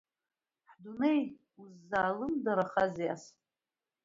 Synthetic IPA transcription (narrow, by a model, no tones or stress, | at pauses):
ħdunej | uzːaːlɨmdaɾaχazijas